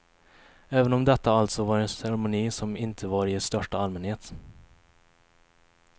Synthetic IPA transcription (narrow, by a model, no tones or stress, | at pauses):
ɛːvənɔmd̪ɛt̪ːaalt̪sɔvaɾɛnsɛɾɛmʊniːsɔmɪnt̪ʰəvaɾɪst̪œʂʈaalmɛnheːt̪